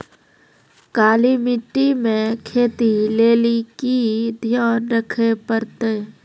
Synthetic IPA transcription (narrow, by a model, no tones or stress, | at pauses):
kaːlimɪʈːimẽkʰeːt̪ileːlikid̪ʱjaːnɾəkʰepəɾt̪eː